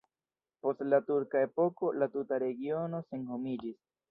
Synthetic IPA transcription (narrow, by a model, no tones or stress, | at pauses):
po̞stlatuɾkae̞po̞ko̞latutaɾe̞ɡio̞no̞se̞nho̞mid͡ʒis